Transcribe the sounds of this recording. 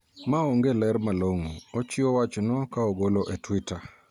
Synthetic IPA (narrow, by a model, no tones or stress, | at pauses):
maoŋɡelɛɾmaloŋoot͡ʃɪowat͡ʃnɔkaoɡoloʔetwitʰa